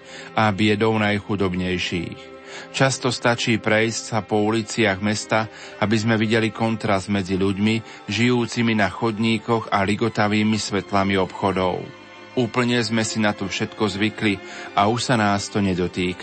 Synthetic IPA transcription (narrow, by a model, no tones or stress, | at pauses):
ʔabɪɛd̪ɔʊnajxud̪ɔbɲɛjʃḭːx | t͡ʃast̪ɔst̪at͡ʃiːpɾɛjscsapɔulit͡sɪaɣmɛst̪a | abizmɛʋiɟɛlikɔnt̪ɾazd̪mɛd͡ziʎuɟmi | ʒijuːt͡siminaxɔd̪ɲiːkɔɣaliɡɔt̪aʋiːmisʋɛt̪lamiɔpxɔd̪ɔ̰ʊ | uːpl̩ɲɛzmɛsinat̪ɔfʃɛt̪kɔzʋikliʔauʃsanaːst̪ɔɲɛd̪ɔt̪iːka